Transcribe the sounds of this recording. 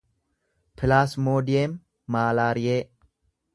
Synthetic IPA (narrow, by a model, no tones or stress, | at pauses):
pʰɪlaːsmoːd̪ɪjeːmː | aːlaːɾɪjeː